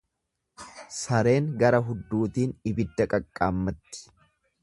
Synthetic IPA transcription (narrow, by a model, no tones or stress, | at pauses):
sɐɾe̞ːŋɡɐɾɐɦʊd̪ːuːt̪iːnɪbɪd̪ːɐkʼɐkʼːaːmːɐt̪ːɪ̥